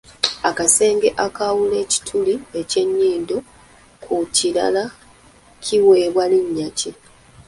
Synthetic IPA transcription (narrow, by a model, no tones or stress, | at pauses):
akase̞ːŋɡe̞ʔakawule̞ːci̥tʰulie̞ce̞ɲːiːndo | kʰucila̰la | cʰiwe̞ːβwaliɲːaci